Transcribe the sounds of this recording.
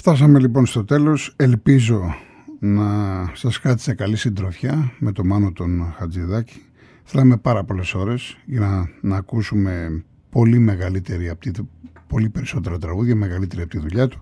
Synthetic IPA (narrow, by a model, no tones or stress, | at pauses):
ft̪ɐsɐme̞lipo̞nst̪o̞t̪e̞lo̞se̞lpizo̞ | nɐsɐskɐt̪i̥se̞kɐlisind̪ɾo̞fçɐme̞t̪o̞mɐno̞t̪o̞nxɐd͡ziðɐci̥ | θe̞lɐme̞pɐɾɐpo̞le̞so̞ɾe̞zʝɐnɐnɐːkusume̞ | po̞lime̞ɣɐlit̪eɾiɐpt̪itpo̞lipe̞ɾiso̞t̪e̞ɾɐt̪ɾɐɣuðʝɐme̞ɣɐlit̪e̞ɾiɐpot̪iðuʎɐt̪u̥